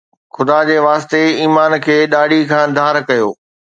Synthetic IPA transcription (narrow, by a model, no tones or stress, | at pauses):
xʊd̪ad͡ʑeːʋaːst̪eiːmaːnkʰeːɗaːɖʱikʰãːd̪ʱaːɾkɐjoː